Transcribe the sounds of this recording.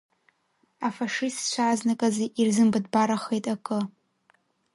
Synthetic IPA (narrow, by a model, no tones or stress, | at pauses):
afaʂistt͡ʃʷʰaːznakʼaziʔirzɨmbɨdbaɾaχejtʼakʼɨ